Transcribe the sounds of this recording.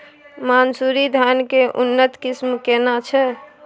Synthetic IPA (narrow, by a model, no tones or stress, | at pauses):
mansuɾid̪ʱjankeʔunːət̪kismkenat͡ʃʰɛ